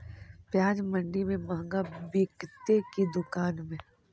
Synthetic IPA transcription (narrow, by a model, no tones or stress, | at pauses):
pjaːd͡ʒmɐ̃ɳɖimẽmɐɦŋɡabɪkt̪ekid̪ʊkaːnmẽ